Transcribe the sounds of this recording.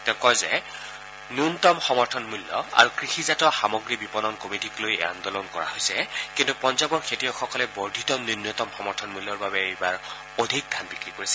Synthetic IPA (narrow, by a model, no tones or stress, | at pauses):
tɛkɔzɛ̰ | nuntɔmxɔmɔɹtʰɔnmulːɔ̰a̰ɹukɹixizatɔxamɔɡɹibipɔnɔnkomitiklojɛ̰a̰ndɔlɔnkɔɹa̰hojsɛkintupɔnzabɔɹkʰetijɔxɔkɔlɛbɔɹdʱitɔninjɔtɔmxɔmɔɹtʰɔnmulːɔɹbabɛibaɹ | odʱik̚dʱanbikɹikoɹisɛ